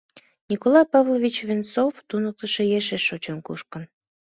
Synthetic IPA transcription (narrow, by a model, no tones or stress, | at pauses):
nʲikolɑjpɑvlˠoβit͡ɕvʲent͡soft̪unək̚t̪əʃejeʃeʃot͡ɕənkuʃkən